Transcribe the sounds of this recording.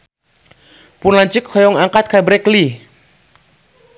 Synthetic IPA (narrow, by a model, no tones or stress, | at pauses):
punlaɲt͡ʃɪk̚hɔjɔŋaŋkat̪̚kabɾɛkli